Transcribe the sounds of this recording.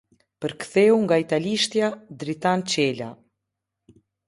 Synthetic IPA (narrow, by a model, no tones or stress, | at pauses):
pəɾkθɛuŋɡait̪aliʃt̪jad̪ɾit̪ant͡ɕɛla̰